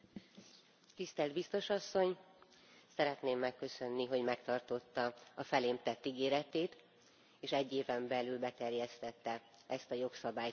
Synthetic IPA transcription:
t̪ist̪ɛld̪bist̪o̞ʃɒsːo̞ɲ | sɛɾɛt̪neːmːɛkːø̞sø̞nːiɦo̞ɟmɛkt̪ɒrt̪o̞t̪ːɒɒfɛleːmt̪ɛt̪ːiɡeːɾɛt̪eːt̪ | eːʃɛɟːeːvɛmbɛlylbɛt̪ɛrjɛst̪ɛt̪ːɛ | ɛst̪ɒjo̞ksɒbaːj

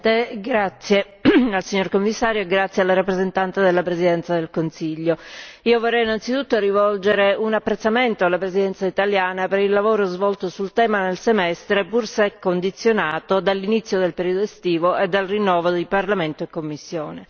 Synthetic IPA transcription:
t̪eɡɾat̪sːje | alsiɲːorkomːisːaːɾjoeɡɾat̪sːjealːaɾapːɾezent̪ant̪ed̪elːapɾezid̪ɛnt̪sad̪elkonsiʎːoiːovorːɛjinant̪sit̪ut̪ːoɾivɔld͡ʒeɾeunapːɾet̪sːament̪oalːapɾezid̪ɛnsait̪aljaːnapeɾilːavoːɾozvɔlt̪osult̪ɛːmanelsemɛst̪ɾepursɛkːond̪it̪sːjonaːt̪od̪alːinit̪sːjod̪elpeɾiːod̪oest̪iːvoʔed̪ːalrinːɔːvod̪iparlament̪oekːomːisːjoːne

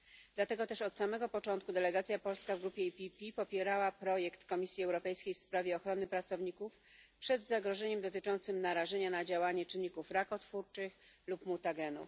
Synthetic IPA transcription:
d̪̥lat̪ɛɡɔt̪ɛʂɔt̪samɛɡɔpɔt͡ʂɔnt̪̚kud̪ɛlɛɡat̪sʲjapɔlskavɡɾupʲjɛipʲipʲipɔpʲjɛɾawapɾɔjɛkt̪kɔmʲisʲjiɛwɾɔpɛjskʲejfspɾavʲjɛɔxɾɔnɘpɾat̪sɔvɲikuf | pʂɛd̪zaɡɾɔʐɛɲɛmd̪ɔt̪ɘt͡ʂɔnt̪sɘmnaɾaʐɛɲanad͡ʑawaɲɛt͡ʂɘnːikufɾakɔt̪fuɾt͡ʂɘxlupmut̪aɡɛnṵ

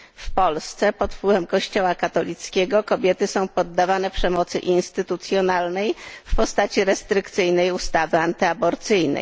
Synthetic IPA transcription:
fpɔlst̪sɛpɔt̪pwɘvɛmkɔɕt͡ɕɔwakat̪ɔlʲit̪skʲɛɡɔkɔbʲjɛt̪ɘsɔ̃w̃pɔd̪ːavanɛpʂɛmɔt̪sɘ̰ʔinst̪ɘt̪ut̪sʲjɔnalnɛjfpɔst̪at͡ɕiɾɛst̪ɾɘkt̪sɘjnɛjust̪avɘant̪ɘabɔɾt̪sɘjnɛ̰j

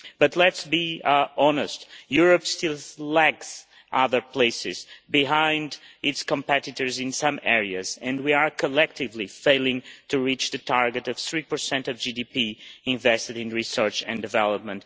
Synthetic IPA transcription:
b̥ʌtˡlɛtsbiɑnɨstjuɹəpstɪlˠlæks | ʔʌðə˞pl̥eɪsɪzbiɦãɪ̃ndɪtskə̃mpɛɾɨtə˞zɪ̃nsʌ̃mɛɹiɨzɨ̃ndwiaɹkʰəlɛk̚tɪvlifeɪlˠɪ̃ŋtʰuɹit͡ʃðɨtʰaɹɡɨtʌv̥θɹipə˞sɛ̃ntʌvd͡ʒidipiɪ̃ɱvɛstɨɾɨ̃nɹisɜ˞t͡ʃɨ̰̃ndɨvɛlˠəp̚mə̃nt

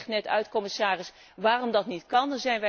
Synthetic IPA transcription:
χtnɛtœ̰ɥtkɔmɪsaːrɪs | ʋaːrɔmdɑtnitkɑndɑnzɛjnʋɛ

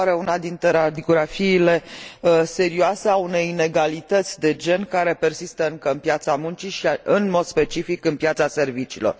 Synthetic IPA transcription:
aɾeunad̪int̪ɾeɾad̪ioɡɾafiːle̞əse̞ɾioase̞aune̞jine̞ɡalit̪ət̪sʲd̪e̞d͡ʒe̞nkaɾe̞pe̞rsist̪əɨŋkəɨnpjat̪samunt͡ʃiʃiɨnmo̞d̪̥spe̞t͡ʃifikɨnpjat̪sase̞rvit͡ʃiːlo̞̰r

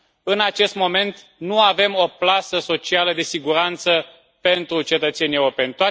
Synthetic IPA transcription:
ɨnat͡ʃe̞st̪mo̞me̞nt̪ | nuave̞mo̞plasəso̞t͡ʃialəd̪e̞siɡuɾant̪sə | pe̞nt̪ɾut͡ʃe̞t̪ət̪se̞nʲijewɾope̞nʲt̪oa

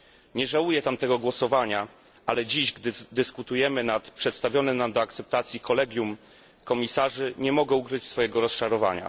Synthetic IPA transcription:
ɲɛʐawujɛt̪amt̪ɛɡɔɡwɔsɔvaɲa | ʔalɛd͡ʑiʑɡd̪ɘd̪ɘskut̪ujɛmɘnat̪pʂɛt̪st̪avʲjɔnɘnamd̪ɔakt̪sɛp̚t̪at̪sʲjikɔlɛɡʲjum | kɔmʲisaʐɘɲɛmɔɡɛukɾɘt͡ɕsfɔjɛɡɔɾɔst͡ʂaɾɔva̰ɲa̰

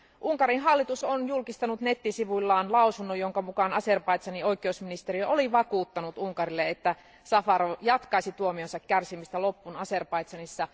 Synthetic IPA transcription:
ʔuŋkɑɾinɦɑlːit̪usonjulkist̪ɑnut̪ne̞t̪ːisiʋulːɑːnlɑusunːojoŋkɑmukɑnɑserpɑjt̪sɑnioikˑeousminist̪eriøʔoliʋɑkuːt̪ːɑnut̪uŋkɑrilːeet̪ːæ | sɑfɑɾojɑt̪kɑisit̪uomionsɑkkærsimist̪ælo̞pːunɑserpɑit̪sɑnisːɑ

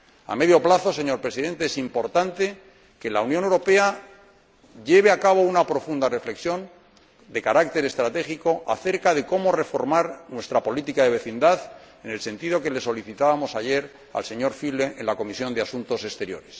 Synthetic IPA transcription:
a̰me̞ðjo̞plaθo̞se̞ɲo̞ɾpɾesiðe̞nt̪eesimpo̞ɾt̪ant̪e̞ | ke̞launjonewɾo̞pe̞a | ʝe̞βeakaβ̞o̞unapɾo̞fund̪are̞fle̞ksjo̞n | d̪e̞kaɾak̚t̪e̞ɾe̞st̪ɾat̪e̞xiko̞ʔa̰θe̞ɾkaðe̞ko̞mo̞re̞fo̞ɾmaɾnwe̞st̪ɾapo̞lit̪ikaðe̞βe̞θind̪aθe̞ne̞lsẽ̞nt̪iðo̞ke̞le̞so̞liθit̪aβamo̞saʝe̞ɾ | a̰lse̞ɲo̞ɾfile̞ʔenlako̞misjo̞nd̪easunt̪o̞sest̪e̞ɾjo̞̰ɾe̞s

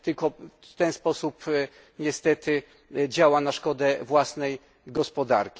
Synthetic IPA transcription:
t̪ɘlkɔt̪ɛnspɔsup | ɲɛst̪ɛt̪ɘ | d͡ʑawanaʂkɔd̪ɛvwasnɛj | ɡɔspɔd̪a̰ɾkʲi

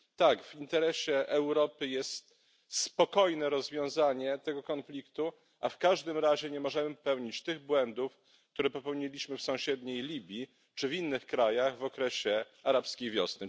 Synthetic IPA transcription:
t̪aɡvint̪ɛɾɛɕɛʔɛwɾɔpɘjɛst̪ | spɔkɔjnɛɾɔzvʲjɔ̃w̃zaɲɛt̪ɛɡɔkɔnflʲikt̪u | ʔafkaʐd̪ɘmɾaʑɛɲɛmɔʐɛmɘpɛwɲit͡ɕt̪ɘɣbwɛnd̪uf | kt̪uɾɛpɔpɛwɲɛlʲiɕmɘfsɔ̃w̃ɕɛd̪ɲejlʲibʲji | t͡ʂɘvʲinːɘxkɾajaɣvɔkɾɛɕɛ | aɾapskʲejvʲjɔsnɘ

